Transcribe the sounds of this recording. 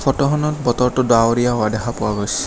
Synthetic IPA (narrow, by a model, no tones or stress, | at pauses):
fɔtɔɦɔnɔt̚bɔtɔɹtʊdaoɹijaɦʊadɛxʰapʊaɡojsɛ̥